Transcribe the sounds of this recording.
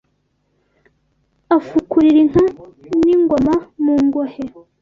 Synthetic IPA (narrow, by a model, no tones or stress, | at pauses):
afukuɾiɾinŋ̥aniŋɡomamuːŋɡohe